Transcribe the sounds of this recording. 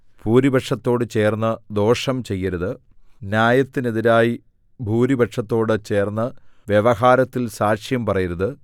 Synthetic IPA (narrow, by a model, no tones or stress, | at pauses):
puːɾibɐʈʂɐt̪ːo̞ːɽɨt͡ɕe̞ːrnːɐd̪o̞ːʂɐmt͡ɕe̞jːɐɾɐðɨ | njaːjɐt̪ːineðiɾaːji | bʱuːɾibɐʈʂɐt̪ːo̞ːɽɨt͡ɕe̞ːrnːɐʋjeʋɐɦaːɾɐt̪ːilsaːʂjɐmpɐrɐjiɾɐðɨ